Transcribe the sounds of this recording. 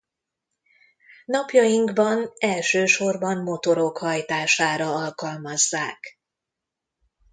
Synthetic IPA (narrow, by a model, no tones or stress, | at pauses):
nɒpjɒjiŋɡbɒnɛlʃøːʃo̞rbɒmmo̞t̪o̞ɾo̞khɒjt̪aːʃaːɾɒɒlkɒlmɒzːaːk